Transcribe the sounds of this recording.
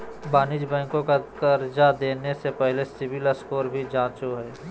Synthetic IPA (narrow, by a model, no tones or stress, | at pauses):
baːnɪd͡ʒbɛ̃ːŋkõkad̪ɐɾd͡ʒad̪eːnesepɛɦlesɪʋɪləskoːɾbʱid͡ʒãːt͡ʃoɦɛː